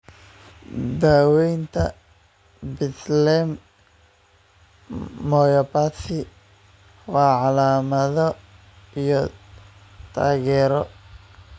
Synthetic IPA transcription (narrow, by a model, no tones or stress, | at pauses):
d̪aːwɛjnt̪ʰɐ | bɪslɛm | ɔjɐpasɪ | wɑːʕɑlaːmɐðɔ | ijɔ | t̪ʰaːɣɛːɾɔ